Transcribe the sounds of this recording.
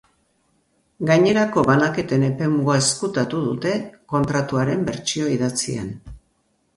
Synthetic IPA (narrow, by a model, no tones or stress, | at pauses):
ɡaɲe̞ɾako̞βanake̞t̪e̞ne̞pe̞muaeskut̪at̪uðut̪e̞ko̞nt̪ɾat̪uaɾe̞mbe̞ɾt͡ʃio̞iðat͡siḛn